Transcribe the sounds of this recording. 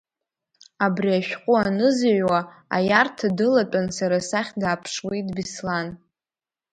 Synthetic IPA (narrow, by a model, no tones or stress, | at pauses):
abriaʃᶣqʷʼʊanɨzʕwaa̰jartʰadɨlatʷʼansaɾasaχʲdaːpʰʂwidbislan